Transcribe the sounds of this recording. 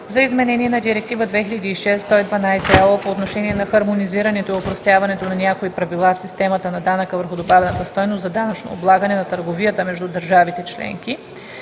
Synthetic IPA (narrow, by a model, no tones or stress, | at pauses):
zɐizmɛnɛniɛnɐd̪iɾɛk̚t̪ivəd̪vɛxilʲɐd̪iːʃɛst̪ɔid̪vɐnajsɛɛpoːt̪noʃɛniɛnɐxɐɾmoniziɾɐnɛt̪oiopɾost̪javɐnɛt̪onɐnʲjakoipɾɐvilˠafsist̪ɛmɐt̪ənɐd̪anəkəvəɾxʊd̪obavɛnət̪əst̪ɔjnost̪zɐd̪anɐt͡ʃno̰ːblˠaɡənɛnɐt̪əɾɡovijət̪əmɛʒd̪ud̪əɾʒavit̪ɛt͡ʃlɛ̰ŋki